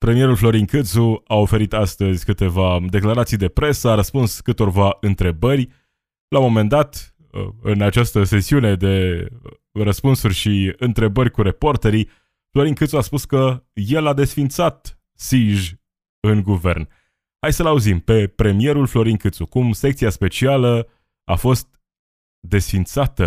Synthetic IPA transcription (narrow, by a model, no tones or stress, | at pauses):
pɾe̞mije̞ɾulflo̞ɾinkɨt̪suao̞fe̞ɾit̪ast̪əzʲkɨt̪e̞vad̪e̞klaɾat̪sijd̪e̞pɾe̞səaɾəspunskɨt̪o̞rvaɨnt̪ɾe̞bərʲ | lamo̞me̞nd̪at̪ | ə̰ɨnat͡ʃast̪əse̞siune̞d̪e̞ | rəspunsurʲʃiɨnt̪ɾe̞bəɾʲkuɾeport̪eɾi | flo̞ɾiŋkɨt̪suaspuskəje̞lad̪e̞sfint̪sat̪ | siʒʲ | ɨŋɡuve̞̰rn | hajsəlauzimpe̞pɾe̞mije̞ɾulflo̞ɾinkɨt̪sukumsek̚t̪siaspe̞t͡ʃialə | a̰fo̞st̪ | d̪e̞sfint̪sat̪ə